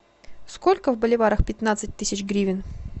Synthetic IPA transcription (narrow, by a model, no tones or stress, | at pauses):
skolʲkəvbəlʲɪvaɾəxpʲɪt̪nat̪sɨt̚ʲt̪ɨsʲɪt͡ɕɡɾʲivʲɪn